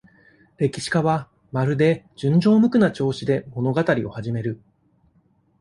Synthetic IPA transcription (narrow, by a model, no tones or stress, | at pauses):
ɾe̞kʲi̥ɕi̥kaβa | maɾɯ̟d̪e̞d͡ʑɨ̃ɲ̟d͡ʑo̞ːmɯ̟kɯ̟nat͡ɕo̞ːɕid̪e̞mo̞no̞ɡat̪aɾʲio̞̰haʑime̞ɾɯ̟